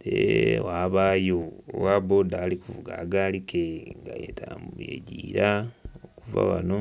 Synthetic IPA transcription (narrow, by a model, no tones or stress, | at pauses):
dewaːβaːjoowabodaːlikuvuɡaɡaːlikeŋɡajetʰamjeɟiːɾaokuva̰wano